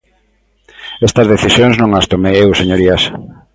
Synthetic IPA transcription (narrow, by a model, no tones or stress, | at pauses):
est̪ɐzðeθisjoŋznõŋast̪omeewseɲoɾias